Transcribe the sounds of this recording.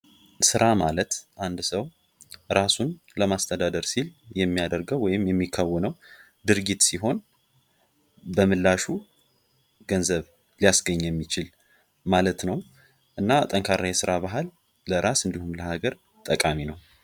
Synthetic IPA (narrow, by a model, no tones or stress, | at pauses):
sɨɾʔamalət̪ʔand̪səw | ɾasun | ləmast̪ʰəd̪ad̪əɾsiljɛmːijad̪əɾɡəwːɔjɪmjɛmːikʰːawːɔnəw | d̪ɨɾɡit̪siɦo̞n | bəmɨlːaʃu | ɡ̥ənzəβ | lijasɡəɲːjɛmːit͡ʃɪl | malət̪nəw | ʔɨnːat̪ʼəŋkʰaɾajɛsɨɾaβaɦalː | əɾʔasɨnd̪ihumləhaɡəɾ | t̪ʼəkʼaminəw